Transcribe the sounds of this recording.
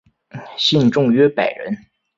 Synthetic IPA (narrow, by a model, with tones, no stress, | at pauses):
ɕi˥˧nʈ͡ʂʊ˥˧ŋɥɛ˥pa˨˩ɪɻə̰˧˥n